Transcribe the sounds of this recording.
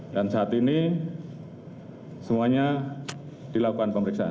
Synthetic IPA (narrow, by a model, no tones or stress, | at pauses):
dansaat̪ini | səmuaɲa | d̥ilakukanpəməɾiksaʔa̰n